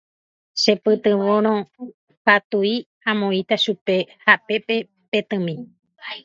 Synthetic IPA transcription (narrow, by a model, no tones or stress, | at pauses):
ʃe̞pɨt̪ɨ̃ʋõɾ̃õ | pat̪ui | ãmõĩt̪aʃupe̞hape̞pe̞ | pe̞t̪ɨ̃mĩ